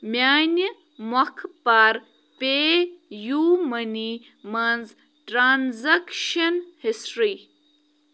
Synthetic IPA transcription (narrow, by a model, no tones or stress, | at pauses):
mjaːnjə | mɐkʰpaɾ | pejuːmɐni | mɐnz | ʈɾaːnzɐkʃɐnhisʈɾi